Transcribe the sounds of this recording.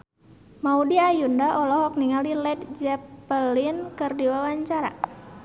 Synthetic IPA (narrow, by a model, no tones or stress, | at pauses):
maudiajundaʔɔlɔɦɔk̚niŋalilɛd̚d͡ʒɛpəlinkɨrdiwawaɲt͡ʃaɾa̰